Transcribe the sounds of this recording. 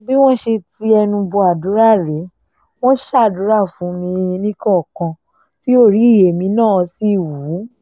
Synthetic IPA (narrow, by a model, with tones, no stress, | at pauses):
bi˦w̃ɔ̃˦ʃe˧ti˧ɛ˧nũ˧bɔ˧a˨du˨˦ɾa˦˨ɾɛ˨˦ | w̃ɔ̃˦ʃa˦˨du˨˦ɾa˦˨fũ˨˦nĩ˧nĩ˦kɔ˦˨kã˧ | ti˦o˦˨ɾi˨˦i˦˨je˨mĩ˧˦nãː˦˨˧si˦˨wu˨˦